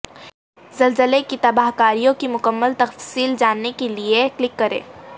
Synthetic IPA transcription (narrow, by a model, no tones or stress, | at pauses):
zɐlzəlekit̪ɐbaːɦkaːɾijõkimʊkəmːəlt̪ɐffsiːld͡ʒaːnːekelieklɪkːɐɾḛ̃ː